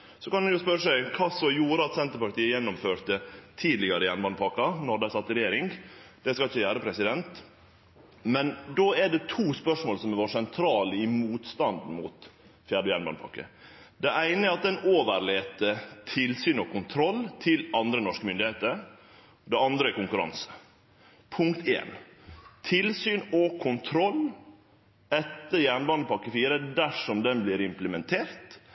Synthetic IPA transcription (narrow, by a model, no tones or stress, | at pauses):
sɔkɑnd̪ʉjʊspœɾəsæɪkʰɑːsɔmjuːɾəɑt̪sɛnt̪əɾpɑɾʈ̪iːəjɛnːʊmføːɾt̪ət̪ʰiːd̪lɪɡɑɾəjɛnbɑnd̪pʰɑkɑnɔɖ̪æɪsɑt̪ːɾɛjeːɾɪŋd̪̥ɛskɑlɪçːəjæːɾəpʰɾɛsɪd̪ɛnt̪ | mɛnd̪oːæɖɛt̪ʰuːspœʂmoːlsɔmɛʋoːsɛnt̪ʰɾɑːləɪmuːt̪st̪ɑnd̪n̩mṵːt̪ | fjæːɖəjɛnbɑnpʰɑ̰kːə̰ | d̪ɛʔæɪnəɛɾɑt̪̚d̪ɛnoːʋəɾɭeːt̪ət̪ʰɪlsyːnɔkʊnt̪ʰɾɔlːt̪ʰɪlɑnd̪ɾənɔʂkəmʏnd̪ɪheːt̪əɾ | d̪ɛɑnd̪ɾəɛkʊŋkʉɾɑ̰nsə̥ | pʰʊŋkt̪ʰḛːn | t̪ʰɪlsyːnɔkʰʊnt̪ʰɾɔlː | ɛt̪ːəjæːɳbɑnd̪əpɑkːəfiːɾəd̪æʂɔmd̪ɛnblɪɾɪmpləmɛnt̪ʰeːɾt̪